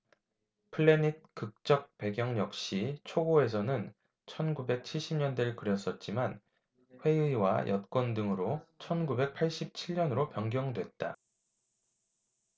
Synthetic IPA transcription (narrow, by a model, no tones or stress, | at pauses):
pʰɯɭːe̞nit̚kɯk̚t͡ɕ͈ʌk̚pe̞ɡjʌŋjʌk̚ɕ͈it͡ɕʰoɡoe̞s̬ʰʌnɯn | t͡ɕʰʌnɡube̞k̚t͡ɕʰiɭɕ͈imɲʌndeɭkɯɾjʌs͈ʌt̚t͡ɕ͈iman | ɸwe̞ɯiwa̰jʔʌt̚k͈wʌndɯŋɯɾot͡ɕʰʌnɡube̞k̚pʰaɭɕ͈ip̚t͡ɕʰiɭɲʌnɯɾopjʌŋɡjʌŋdwe̞t̚t͈a̰